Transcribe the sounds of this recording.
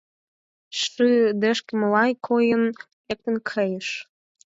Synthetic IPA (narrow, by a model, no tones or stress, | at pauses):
ʃɨd̪ĕʃkə̆məlɑjkʰojən | lek̚t̪ə̆nkʰəjəʃ